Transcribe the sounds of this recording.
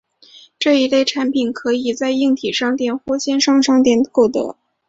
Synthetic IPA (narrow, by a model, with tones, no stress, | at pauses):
ʈ͡ʂɤ˥˩i˧˥le˥˩ɪʈ͡ʂʰa˧˥npʰi˨˩nkʰɤ˧˥i˨˩t͡sa˥˧ɪi˥˩ŋt̪ʰi˨˩ʂɑ˥ŋt̪jɛ˥˩nxwɔ˥ɕjɛ˥nʂɑ˥ŋʈ͡ʂʰɑ˥ŋt̪jɛ˥˩n˩ko˥˩ʊt̪ɤ̰˧˥